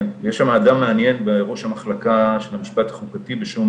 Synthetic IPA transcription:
njeʃamaːdamːeanje̞nbeʁoʃhamaχlakaʃelamiʃpat̪ḁχukatibeʃum

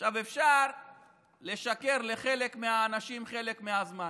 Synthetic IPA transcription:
ʃavefʃaʁ | le̞ʃake̞ʁleχe̞le̞kmeaːnaʃimχe̞le̞kmeazma

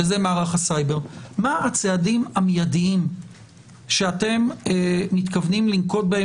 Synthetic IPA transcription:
ezemaːʁaχasajbe̞ʁmaat͡seadimamjadiim | ʃeate̞meːit̪kavnimlimko̞t̚bee

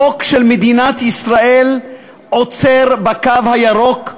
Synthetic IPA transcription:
okʃelmed̪inat̪isʁael | ʔot͡seʁbakavhajaʁo̞k

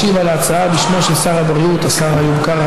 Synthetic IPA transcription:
ivalaːt͡saabiʃmo̞ʃesaʁabʁiut̪asaʁajubkaʁa

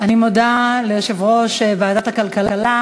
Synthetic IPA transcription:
animod̪alejoʃevʁo̞ʃevaːdat̪akalkalala

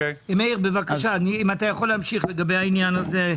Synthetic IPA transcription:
emeiʁbevakaʃaniimat̪ajaχolːehamʃiχle̞ɡabejhainjanaze

